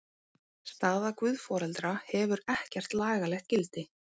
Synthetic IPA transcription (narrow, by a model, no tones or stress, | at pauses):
st̪aðakvʏðfɔːɾɛlt̪ɾahɛvʏɾɛhcɛr̥t̪laːɣalɛxt̪̚cɪlt̪ɪ